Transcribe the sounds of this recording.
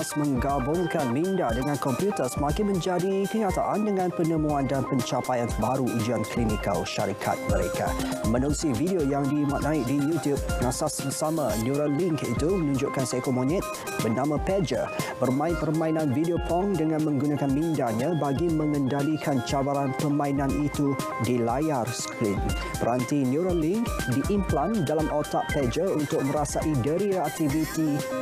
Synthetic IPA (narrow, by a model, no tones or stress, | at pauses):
smə̃ŋɡabʊŋkanmindadəŋãnkɔmpjut̪əsmakɪnmə̃ɲd͡ʒadikəɲat̪a̰ʔandəŋãnpənəmuandanpəɲt͡ʃapajanəbaɾuud͡ʒiankʰlimikə̰lʃa̰ɾikʰa̰t̪̚məɾḛka̰mənuusividiojaŋdimat̪̚nãɪk̚dijut̪jub̚nasasəsamanjuɾanliŋkḭt̪umənũɲd͡ʒʊʔkansekomɔnɛt̪̚ | bənãmãpɛd͡ʒə̰bərmãipərmãinãnvidiopʰɔŋdəŋãnmə̃ŋɡunakanmĩndaɲãbaɡimə̃ŋə̃ndalikʰant͡ʃawaɾanpəmãinãnit̪u | dilajarsə̥kɾin | bəɾant̪injuɾənliŋkdiʔimplandalamʔɔt̪aʔpɛd͡ʒəunt̪ʊk̚mə̃ɾasaʔidəɾiak̚t̪ivit̪i